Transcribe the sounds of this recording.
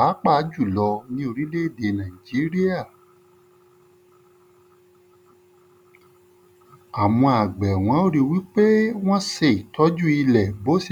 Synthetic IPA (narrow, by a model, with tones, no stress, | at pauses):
a˨˦k͡pa˦˨˦d͡ʒu˦˨lɔ˧nĩ˧˦o˧ɾi˦le˦˨de˧˨nã˨i˨d͡ʒi˨˦ɾi˦a˦˨ | a˨w̃ɔ̃˧a˨ɡ͡bɛ˨w̃ɔ̃˨˦o˦ɾi˦˧wi˦k͡pe˦w̃ɔ̃˦se˧i˨tʰɔ˨˦d͡ʒu˦i˧lɛ˨bo˦s